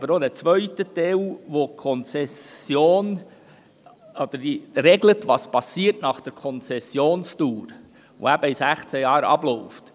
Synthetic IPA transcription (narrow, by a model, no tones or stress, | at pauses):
ɑbəɾodɛt͡sʋœʏtət̪ɛlʋokʰɔnt͡sɛsjoːn | ɔd̪̥əɾdiɾeɡlətʋɑspɑsiːəɾtnɑχd̥əɾkʰɔnt͡sɛsjoːnstuːɾ | ʋo̰æb̥əisæχt͡səjɑːɾɑ̰blɔʊft